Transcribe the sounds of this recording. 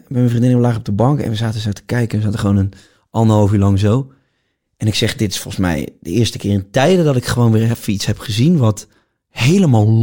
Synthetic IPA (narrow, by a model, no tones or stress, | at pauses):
bɛjmɛnfrindɪnʋəlaːχɔb̚dəbɑŋkɛ̰nʋəzaːtəzowtə̥kɛjkənəzaːtəχəʋownən | ʔɑlndəɦɔlˠfylɑŋzow | ʔɛnɪksɛχdɪtɪ̥sfɔ̰lˠsmɛ̰jdə̰ɪːɹstəkɪːrəntɛjdədɔtɪkχəʋownʋɪːrɛfitshɛpχəzinʋɔt | hejləmalˠ